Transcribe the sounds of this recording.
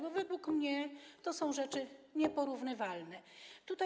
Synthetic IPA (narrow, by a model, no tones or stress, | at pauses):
bɔvɛd̪wukmɲɛt̪ɔsɔ̃w̃ʐɛt͡ʂɘɲɛpɔɾuvnɘvalnɛt̪ut̪a